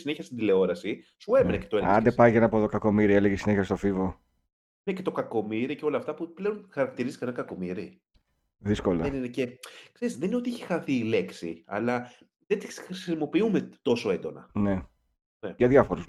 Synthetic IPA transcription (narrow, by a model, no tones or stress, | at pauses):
sine̞çiçɐst̪ind̪ile̞o̞ɾɐsisue̞menece̞t̪oelɐ̰nd̪epɐjʝenɐpoðokɐko̞miɾieleʝesineçɐst̪o̞fivo | nece̞t̪o̞kɐko̞miɾiceo̞lɐːft̪ɐpuple̞o̞nxɐɾɐk̚t̪iɾizi̥kɐnɐkɐko̞miɾi | ðiskolɐeninecekseɾiszðenino̞t̪ieçe̥xɐθiːle̞ksḭɐ̰lɐ | ðet̪i̥sxɾisimo̞piumet̪o̞so̞e̞nd̪o̞nɐ̰ne̞ | neʝɐðʝɐfoɾus